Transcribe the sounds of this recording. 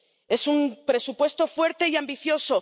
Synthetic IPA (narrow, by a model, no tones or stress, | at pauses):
e̞sumpɾe̞supwe̞st̪o̞fwe̞ɾt̪e̞iambiθjo̞so̞